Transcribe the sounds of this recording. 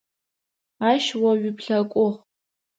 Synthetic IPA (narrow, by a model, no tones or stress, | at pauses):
aːʃwɐɥɪpʰɬɐkʷʼʊχ